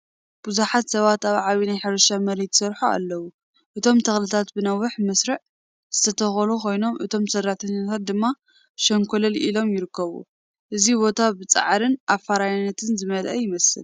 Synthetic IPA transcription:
b̥uzuħat̪sɐβat̪aβʕaβinajħɨɾɐʃamɐɾet̪sɐɾħua̰lːɐwu | ʔɨt̪ʰo̞mt̪ʰɐxlɨt̪ʰat̪bɨnawːʊħmɐsɾɨʕ | z̥ɨt̪ʰɐt̪ʰɐxɐlukʰo̞jno̞mʔɨt̪ʰo̞msɐrːat̪ʰɐɲːat̪ʰat̪̚d̪ɨmːa | ʃɐŋkʰolɐlʔḭlo̞mjɪɾɨkʰːɐβṵ | ʔɨzibo̞t̪ʰabɨt͡sʼa̰ʕɾɨnʔafːaɾajnːɐt̪ʰɨnzɨmɐlʔɐjɪmɐsɨ̰l

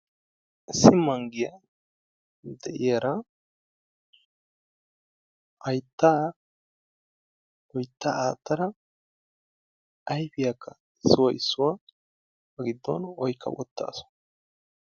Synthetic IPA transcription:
ʔɪsːɪmɐŋɡɪjɐ | d̪ɛʔɪjɐɾɐ | ʔɐjt̪ːaː | wɔjt̪ːaːaːt̪ːɐɾɐ | ɐjfɪjakʰːɐ | ɪsːʊwɐʔɪsːʊwa | bɐɡɪd̪ːɔ̰nɔjkʰːɐ̰wɔ̰t̪ːa̰ːsʊ̥

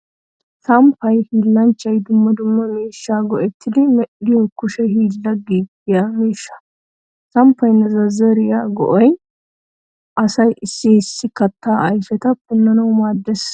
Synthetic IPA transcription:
sɐmpːɐjhiːlːɐnt͡ʃːɐjd̪ʊmːɐd̪ʊmːɐmeːʃːaːɡɔʔɛt̪ʰːɪd̪ɪmɛɗɪjɔkːʊʃɛhiːlːɐɡiːɡɪjaːmeːʃːɐ̥ | sɐmpːɐjnːɐzɐzɐɾɪjaːɡɔ̰ʔɔj | ʔɐsɐjɪsːɪsːɪkɐt̪ːaːʔɐjfɛt̪ɐpʊnːɐnɐwmaːd̪ːɛs

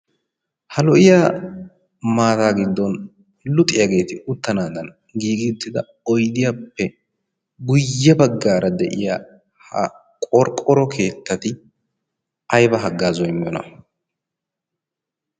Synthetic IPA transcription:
hɐlɔʔɪja | maːt̪aːɡɪd̪ːɔn | lʊt̪ʼɪjɐɡe̞ːt̪ɪʊt̪ːɐnaːd̪ɐn | ɡiːɡɪnt̪ːɪd̪ɐ | ɔjd̪ɪjapːɛ | ɡʊjːɛbɐɡːaːɾʔɐd̪ɛʔɪjaː | hɐ̰ | kʼɔɾkʼːɔɾɔkʰe̞ːt̪ːɐt̪ɪ | ɐjbɐɦɐɡːaːzɔjmːɪjɔnɐ̰

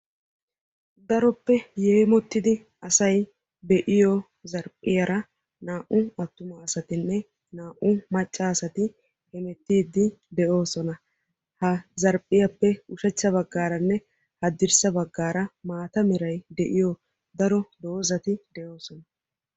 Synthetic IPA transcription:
d̪ɐɾɔpːɛjeːmɔt̪ːɪd̪ɪ | ɐsɐj | bɛʔɪjɔ | zɐɾpʼːɪjɐɾɐ | naːʔʊɐt̪ːʊmɐːsɐt̪ɪnːɛ | naːʔʊmɐt͡ʃʼːaːsɐt̪ɪ | hɛmɛt̪ːiːd̪ːɪd̪ɛʔo̞ːsɔnɐ | hɐzɐɾpʼːɪjɐpːɛʊʃɛt͡ʃːɐβɐɡːaːɾɐnːɛ | hɐd̪ɪɾsɐbɐɡːaːɾɐmaːt̪ɐmɪɾɐjd̪ɛʔɪjɔ | d̪ɐɾɔd̪o̞ːzɐt̪ɪd̪ɛʔo̞ːsɔnɐ

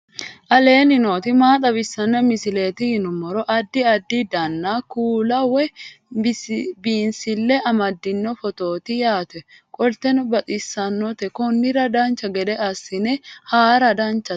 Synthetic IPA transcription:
ʔɐle̞ːnɪnoːt̪ɪmaːt̪ʼɐbɪsːɐnːɐmɪsɪle̞ːt̪ɪhɪnʊmːɔɾɔʔɐd̪ːɪɐd̪ːɪd̪ɐnːaːkuːlɐwɛ | biːnsɪlːɛʔɐmɐd̪ːɪnːɔfɔt̪o̞ːt̪ɪjaːt̪ɛ | kʼɔlt̪ɛnbɐt̪ʼɪsːɐnːɔt̪ɛkɔnːɪɾɐd̪aːnt͡ʃɐɡɛᶑ̪ɛʔɐsːɪnɛhaːɾɐd̪ant͡ʃːɐ

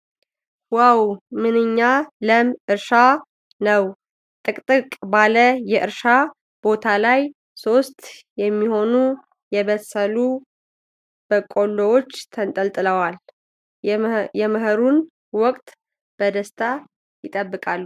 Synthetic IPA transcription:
hwawmɨnɨɲːaləmʔɨɾʃa | nəw | t̪ʼɨkʼt̪ʼɨkʼbaləjɛʔɨɾʃa | b̥o̞t̪ʰalaj | so̞st̪jɛmːiho̞nu | jɛβəsəlu | b̥əkʼo̞ldowot͡ʃːt̪ʰənt̪ʼəlt̪ʼɨləwal | jɛməɦəɾun | wɔkʼt̪ʼ | b̥əd̪əst̪ʰa | jɪt̪ʼəbːɨkʼalːu

